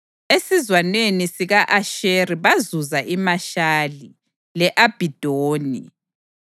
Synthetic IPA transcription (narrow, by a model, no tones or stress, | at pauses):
esizwanwenisiɣaʔaʃeriβazuzaʔimaʃaːli | lɛʔab̥ʱid̥ʱoːni